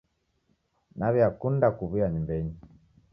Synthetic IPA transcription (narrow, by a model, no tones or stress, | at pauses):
naβiakundakuβijaɲimbɛɲi